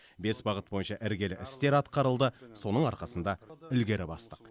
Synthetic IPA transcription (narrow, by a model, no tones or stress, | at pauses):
be̞sbɑʁət̪̚bo̞jənʃɑʔɪɾɡʲe̞lɪʔɪst̪e̞ɾɑt̪qɑɾəlˠd̪əso̞nəɴɑɾqɑsənd̪ɑʏlɡʲe̞ɾɪbɑst̪əq